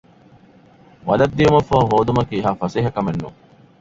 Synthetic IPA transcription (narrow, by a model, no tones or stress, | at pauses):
ʋɐ̰lɐd̪ːijumɐfɐɦoːd̪umɐkiɦafɐseɦɐkɐmenːṵ